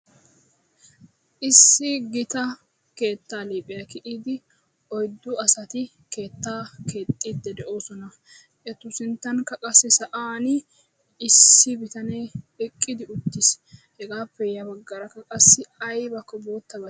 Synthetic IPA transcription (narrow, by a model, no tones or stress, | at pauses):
ʔɪsːɪɡɪt̪ɐ | ke̞ːt̪ːaːliːpʼɪjɐkɪʔiːd̪ɪ | ɔjd̪ːʊɐsɐt̪ɪ | ke̞ːt̪ːaːke̞ːt̪ʼːiːd̪ːɛd̪ɛʔo̞ːsɔnɐ | ʔɛt̪ʊsɪnt̪ːɐnkɐkʼɐsːɛsɐʔaːn | ɪsːɪbɪt̪ɐnej | ɛkʼːɪd̪ɪʊt̪ːɪs | hɛɡaːpːɛjɐbɐɡːɐɾɐkːɐkʼɐsːɪɐjbɐkːɔbo̞ːt̪ːɐbɐ